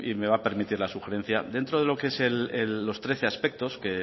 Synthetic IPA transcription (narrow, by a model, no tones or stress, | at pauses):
ḭme̞β̞ape̞ɾmit̪iɾlasuxe̞ɾe̞n̟θja̰d̪e̞nt̪ɾo̞ðe̞lo̞keese̞lelːo̞st̪ɾe̞θe̞aspe̞k̚t̪o̞ske̞